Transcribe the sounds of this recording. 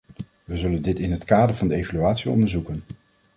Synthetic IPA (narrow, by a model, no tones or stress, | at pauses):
ʋəzɵləndɪtɪnɦətkaːdəɹvɑndəejvalyaːtsiɔ̰ndəɹzukən